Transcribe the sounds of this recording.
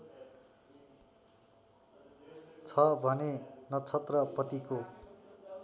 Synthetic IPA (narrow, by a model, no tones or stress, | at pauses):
t͡sʰʌbʱʌnenʌt͡sʰʌt̪rʌpʌt̪iko